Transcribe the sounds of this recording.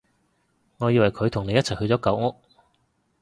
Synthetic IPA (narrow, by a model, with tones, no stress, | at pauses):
ŋɔː˨˧jiː˧wɐ˨˩jkʰɵ˨˧ɥt̪ʰʊ˨˩ŋne˨˧jɐ˥t̚t͡sʰɐ˨˩jhɵ˧ɥt͡sɔː˨˥kɐ˨˥wŋʊ˥k̚